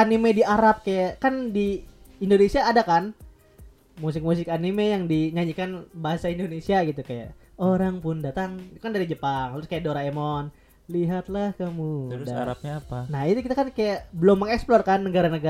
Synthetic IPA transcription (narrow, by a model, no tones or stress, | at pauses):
animediaɾap̚kajaʔkandiːndonesiaːdakan | mus̬ɪk̚mus̬ɪkanimejaŋdiɲaɲikanbaɦasaindonesiaɡit̪ukaja̰ʔoɾaŋpʊndat̪aŋt̪ukandaɾid͡ʒəpaŋlʊskajaʔdoɾaemɔn | liɦat̪̚lahkamudaa̰ɾa̰p̚ɲaapanahit̪ukit̪akankajaʔbəlomːəŋɛksplɔrkanːəɡaɾanəɡa